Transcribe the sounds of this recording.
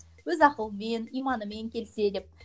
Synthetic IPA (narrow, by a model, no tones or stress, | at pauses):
wɵzɑqəlˠəmenijmɑnəme̞ŋkʲʰe̞lse̞d̪ɪp̚